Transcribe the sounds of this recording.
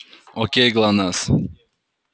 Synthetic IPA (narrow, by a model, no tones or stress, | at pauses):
okʲeɡlˠanas